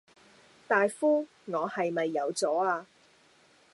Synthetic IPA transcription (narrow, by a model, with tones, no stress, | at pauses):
t̪aː˨jfuː˥ | ŋɔː˨˧hɐ˨jmɐ˨jːɐ˨˧wt͡sɔː˨˥aː˧